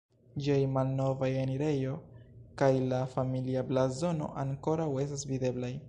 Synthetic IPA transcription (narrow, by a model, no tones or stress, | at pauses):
d͡ʒiajmalno̞vajeniɾe̞jo̞kajlafamiliablazo̞no̞̰ʔaŋko̞ɾawe̞stasvide̞blaj